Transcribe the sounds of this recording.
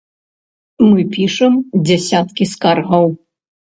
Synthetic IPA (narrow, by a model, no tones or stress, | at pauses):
mɨpʲiʂɛmd͡zʲɛsʲat̪kʲiskarɣɐw